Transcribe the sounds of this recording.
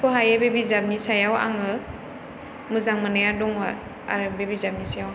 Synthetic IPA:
pʰɔɦajebebizab̚nisajawa̰ŋɯ | mɯzaŋmanajadɔŋwa | a̰ɾɯbebizab̚nisajaw

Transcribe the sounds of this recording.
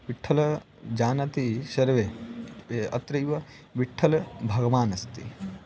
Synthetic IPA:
ʋiʈʰːɐlɐ | d͡ʒaːnɐt̪iʃɐɾʋeː | ɐ̰t̪ɾɐjʋɐ | ʋiʈʰːɐlɐbʱɐɡɐʋaːnɐst̪ḭ

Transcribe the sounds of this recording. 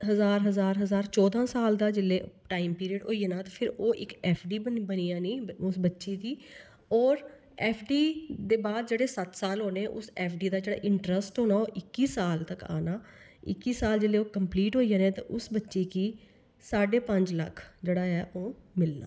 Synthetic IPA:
ɦəzaːɾɦəzaːɾɦəzaːɾt͡ʃɔːd̪ãːsaːld̪aːd͡ʒɪlːeː | ʈaːiːmpiːɾiəɖɦo̰ːiɛːnãːt̪aːpʰɪɾoːʔɪkɛːpʰɖiːbəniːãːniːʊsbətːʃiːd̪iː | ɔːɾ | ɛːpʰɖiːd̪eːbaːd̪d͡ʒeːɽeːsət̪saːlɦoːneːʔʊsɛːpʰɖiːd̪aːd͡ʒeːɽa̰ːʔɪɳʈɾəsʈɦoːnaːoːʔɪkːiːsaːlt̪əka̰ːnaːɪ̰kːiːsaːld͡ʒɪlːeːoːkəmpliːʈɦoːiːaːnẽːt̪ã̰ʔʊsbətːʃiːkiː | saːɖeːpə̃ɲd͡ʒlə̰kʰd͡ʒeːɽaːɦɛːʔoːmɪlna̰ː

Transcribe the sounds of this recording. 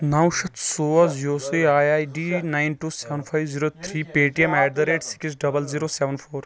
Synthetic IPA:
nɐwʃɐt̪ʰsoːɐzijoːsijaːjaːjɖiːnajnʈuːseːʋənpʰajʋziːɾoːt̪ʰɾiːpeːʈiemajɖd̪ɐɾeːʈsi̥kisɖɐbɐlziːɾoːsɛːʋɐnpʰoːɾ

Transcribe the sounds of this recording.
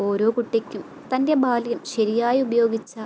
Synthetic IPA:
o̞ːɾo̞ːkuʈːikʲːum | t̪ɐnde̞baːlijɐmɕɐɾijaːjiubɐjo̞ːɡit͡ɕːɐ

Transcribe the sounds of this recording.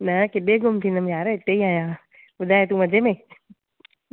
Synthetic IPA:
nɐkɪɗeɡʊmt̪ʰĩnəmjaːɾɪt̪ːeiaːjãː | bʊd̪ʱaːet̪ũʋɐd͡ʑemẽ

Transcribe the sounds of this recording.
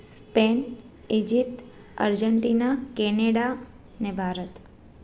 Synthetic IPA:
spen | ed͡ʒip̚t̪ | ə̰ɾd͡ʒəɳʈinakɛneɽa | nebʱaɾət̪

